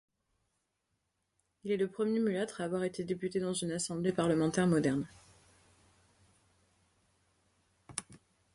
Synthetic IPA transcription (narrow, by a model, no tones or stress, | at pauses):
ilɛləpχəmjemylat̪χavwaʁet̪ed̪epyt̪ed̪ɑ̃zynasɑ̃blepaʁləmɑ̃t̪ɛʁmɔd̪ɛʁn